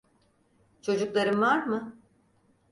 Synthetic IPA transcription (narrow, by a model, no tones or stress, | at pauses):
t͡ʃʰo̞d͡ʒuklˠaɾɯmvaɾmɯ